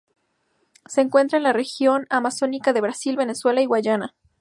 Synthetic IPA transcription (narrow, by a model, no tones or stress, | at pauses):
se̞ːŋkwe̞nt̪ɾaenlare̞xjo̞namaso̞nikaðe̞βɾasilβe̞ne̞swe̞laiɣwaʝana